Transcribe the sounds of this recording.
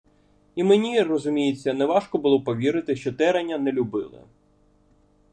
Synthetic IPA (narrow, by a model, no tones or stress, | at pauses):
imenʲirɔzʊmʲijet͡sʲːɐnɛʋɑʃkɔbʊlˠɔpɔʋʲiɾɪt̪ɪʃt͡ʃɔt̪ɛɾenʲːɐnɛlʲʊbɪlˠɪ̰